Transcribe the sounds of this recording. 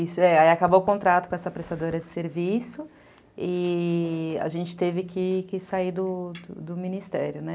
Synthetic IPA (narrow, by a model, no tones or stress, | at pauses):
isʊɛaiakabokõnt̪ɾat̪ʊkõɛsɐpɾest̪ad̪oɾɐd͡ʒɪseɾvisʊ | ɪ | a̰ʒẽnt͡ʃɪ̥t̪evɪkɪkɪsaid̪ʊd̪ʊd̪ʊminist̪ɛɾjʊnɛ